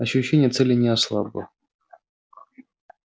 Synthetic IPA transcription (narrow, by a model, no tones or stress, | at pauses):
ɐɕːʊɕːenʲɪjət̪sɛlʲɪnʲɪaslˠabə̰